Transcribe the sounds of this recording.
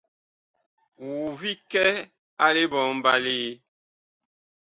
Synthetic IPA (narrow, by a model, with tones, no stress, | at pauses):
wu˨vi˦kɛ˦ | a˦le˦bɔ˨˦m̩˦ba˦liː˦